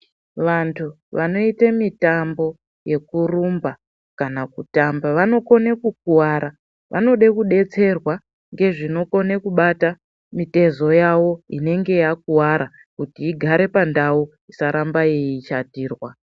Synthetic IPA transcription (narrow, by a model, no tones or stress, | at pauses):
ʋantʰu | ʋano̞itemitambo̞ | je̞kurumba | kanakutambaʋano̞ko̞nekuk̚uwaɾa | ʋʔa̰no̞ɗekuɗe̞t͡se̞rwa | ŋɡe̞ʐino̞ko̞nekuɓata | mite̞zo̞jawo̞ine̞ŋɡe̞jak̚uwaɾa | kutiːɡʱaɾe̞pandau | isaɾambajeiːt͡ʃatiːrwa